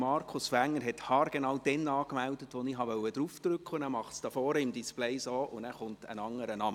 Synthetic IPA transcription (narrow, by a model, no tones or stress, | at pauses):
mɑɾkʰʊsfæŋːəɾɦɛthɑːɾɡ̥enɑwd̥ɛnɑːkmældətʋɔniɦɑʋœwəd̥ɾuːfd̥rʏkχʊnæːɾmɑχtsd̥ɑfɔːɾəɪmdispleɪsoːʔʊndæːɾχʊntə̰nɑŋːəɾənɑmə